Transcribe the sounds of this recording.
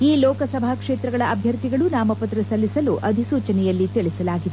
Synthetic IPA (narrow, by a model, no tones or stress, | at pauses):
iːlɔːkɐsɐbʱaːkʂeːt̪ɾɐɡɐɭɐʔɐbʱjɐɾt̪iɡɐɭunaːmɐpɐt̪ɾɐsɐlːisɐluʔɐd̪ʱisuːt͡ʃɐnɛjɐlːit̪iɭisɐlaːɡid̪e